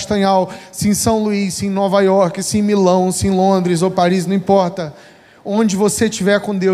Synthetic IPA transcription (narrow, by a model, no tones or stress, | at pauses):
ʃt̪ɐ̃ɲawsĩsɐ̃w̃luisĩj̃nɔvajɔɾkɪsĩj̃milɐ̃w̃sĩj̃lõnd̪ɾɪzowpaɾiz̬nɐ̃ĩpɔɾt̪ɐ | õd͡ʒɪvoset͡ʃivɛɾkõd̪ew